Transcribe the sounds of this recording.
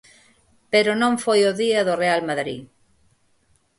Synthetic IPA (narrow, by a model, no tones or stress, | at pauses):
peɾonõŋfojoðiɐðorealmaðɾḭ